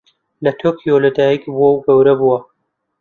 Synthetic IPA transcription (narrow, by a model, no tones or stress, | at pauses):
lɐt̪ʰokʰijolɐd̪aːjikbuwɐwɡɐwɾɐbuwɐ